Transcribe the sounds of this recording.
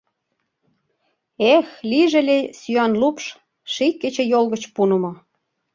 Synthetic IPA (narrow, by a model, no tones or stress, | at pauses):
exliʒĕlʲesyɑnlupʃ | ʃikːet͡ɕĕjolɣə̆t͡ɕpunə̆mŏ